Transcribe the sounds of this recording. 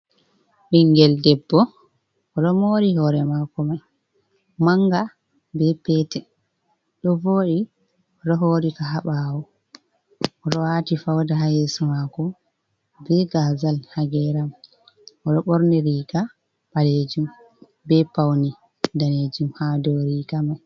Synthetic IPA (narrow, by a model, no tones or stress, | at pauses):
ɓiŋɡɛldɛbːɔ | ɔɗɔmoːɾiɦɔɾɛmakɔmaj | maŋɡa | bɛpɛtɛ | ɗɔvoːɗi | ɾɔɦoːɾikaɦaɓawɔ | ɔɾɔwatifawdaɦajesumakɔ | bɛɡazalhaɡɛɾam | ɔɗɔɓɔɾnɛɾiɡa | ɓaled͡ʒum | bɛpawni | daned͡ʒumhadɔɾiːɡamaj